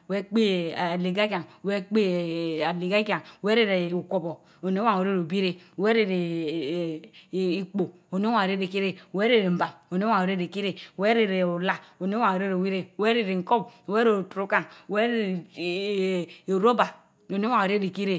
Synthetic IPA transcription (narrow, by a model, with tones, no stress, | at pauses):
we˦k͡pe˦˨a˨li˨ɡa˦ka˨ŋ˨we˦k͡pe˦˨a˨li˨ɡa˦ka˨ŋ˨we˦ɾe˦ɾe˨u˨ko˨bo˨ | o˨ne˦wa˦˨ŋ˨o˨ɾe˦ɾo˨bi˦ɾe˦˨we˦ɾe˦ɾe˨ | i˦k͡po˨ | o˨ne˦a˨o˨ɾe˦ɾe˨ki˦ɾe˦˨we˦ɾe˦ɾe˨m̩˨ba˨mo˨ne˦wa˦˨o˨ɾe˦ɾe˨ki˦ɾe˦˨we˦ɾe˦ɾe˨u˨la˨o˨ne˦wa˨ŋ˨o˨ɾe˦ɾo˨wi˦ɾe˨we˦ɾe˦ɾe˨ŋ̩˨ko˦bwe˦ɾe˨o˨tɾu˦ka˦˨ŋ˨we˦ɾe˦ɾ | ɾo˦ba˨ | o˨ne˦wa˦˨o˨ɾe˦ɾi˨ki˦ɾe˦